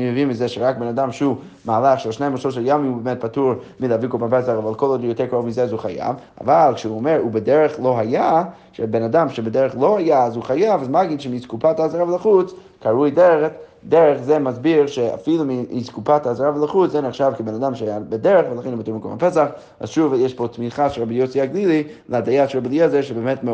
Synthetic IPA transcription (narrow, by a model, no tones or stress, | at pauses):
imevimizɛʃɛɾak̚benadamʃu | maalˠaχʃɛlˠʃneməʃɔʃɛlˠjamimubemɛt̚patuɾ | milˠəavikɔbampɛsaχavalˠkɔlˠɔdjɔtɛɾkɔɔvmizɛazuχaja̰va̰valˠkʃɛuɔmɛɾubədɛɾəχlˠoɦaja | ʃɛbenadamʃɛbədɛɾəχlˠohajaːzuχajavazmaɡinʃɛmiskupʰatazɾavlˠəχut͡s | kʰaɾujdɛɾtdɛɾəχzɛmazbiɾʃɛa̰filˠumiskupatazɾavəlˠəχut͡szɛnəχʃavkəbenadamʃɛhajabədɛɾəχvəlˠaχenubatuɾmiklbampɛsaχ | a̰zʃuvjɛʃpotmiχaʃɛɾabijosiaɡlilˠi | ləadajaʃəɾabilˠiɛzɛɾʃɛbɛmɛtm